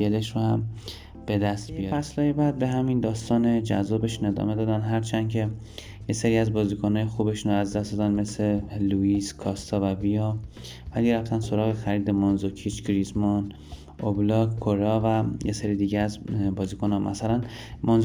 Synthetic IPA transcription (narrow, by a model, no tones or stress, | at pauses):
eleʃrohæm | b̥e̞d̪æst̪bijæslɒːjebæd̪̚be̞ɦæmind̪ɒːst̪ɒːned͡ʒæzːɒːbe̞ʃune̞d̪ɒ̰me̞d̪ɒːd̪ænd̪ɦæɾt͡ʃʰænd̪̥cʰe̞ | jeseɾiːæzbɒːziːkʰonɒːjexuːbe̞ʃunoæzd̪æstd̪ɒːd̪ænd̪me̞sleluiskʰɒːst̪ʰɒːvæbijɒ | væliɾæft̪ʰænso̞ɾɒːɣexæɾiːd̪e̞monzocʰit͡ʃcʰɾizmon | ʔoblɒkkʰːoɾɒvæjeseɾiːd̪iːɟeæzbɒːziːkʰonɒmʔæ̰sælæn | monz